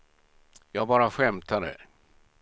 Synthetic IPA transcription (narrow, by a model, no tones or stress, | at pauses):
jɑːɡbɑːɾaɧɛmt̪ʰad̪ɛ̰